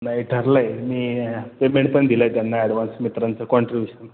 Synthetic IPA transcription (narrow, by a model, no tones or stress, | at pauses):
nːaeʈʰəɾlajmiːpemẽɳʈ̚pəɳd̪ʱiləjt̪janːaɛɽʋansmit̪ɾant͡səkɔɳʈɾibjuɕən